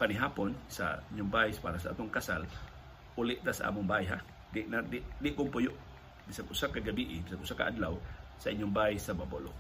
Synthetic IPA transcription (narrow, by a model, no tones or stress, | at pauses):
panɪɦaːponsa̰iɲːʊŋbaɪspa̰ːɾasaʔa̰ːt̪oŋkasa̰l | ʔulɪʔt̪asaʔa̰ːmʊŋbaʔjɦa | d̪ɪʔnad̪ɪʔd̪ɪʔkʊŋpʊjʊʔ | bisaɡʔʊsakaɡabiʔɪbisaɡʔʊsakaʔad̪lawsɐʔiɲːʊŋbaisababolo